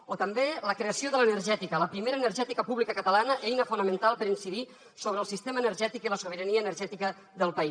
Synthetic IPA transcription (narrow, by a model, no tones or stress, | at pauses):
ot̪əmbeləkɾeəsioðələnərʒɛt̪ikələpɾimeɾəːnərʒɛt̪ikəpuβlikəkət̪əlanəʔɛjnəfunəmə̃nt̪alˠpəɾinsiði | soβɾəːlˠsist̪emənəɾʒɛt̪ikiləsoβ̞əɾəniəːnəɾʒɛt̪ikə | ðəlˠpəis